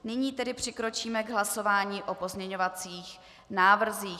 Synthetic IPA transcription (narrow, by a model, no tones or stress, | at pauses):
nɪɲiːt̪ɛdɪpr̝̥ɪkɾo̞t͡ʃiːmɛɡɦlaso̞vaːɲiːʔo̞po̞zmɲɛɲo̞vat͡siːx | naːvr̩ziː